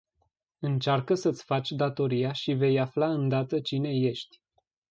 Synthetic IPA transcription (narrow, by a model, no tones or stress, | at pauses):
ɨnt͡ʃarkəsət̪sʲfat͡ʃʲd̪at̪o̞ɾijaʃive̞jaflaɨnd̪at̪ət͡ʃine̞je̞ʃt̪ʲ